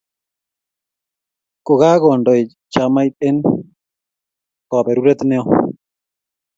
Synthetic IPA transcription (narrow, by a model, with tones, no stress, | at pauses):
ko˨ɣa˦ɣɔ˨ndɔ˨j | t͡ʃa˨˦ma˦jt̪̚e˦n | kɔ˨bɛ˨ɾu˦ɾɛ˦t̪nɛ˦ɔ˦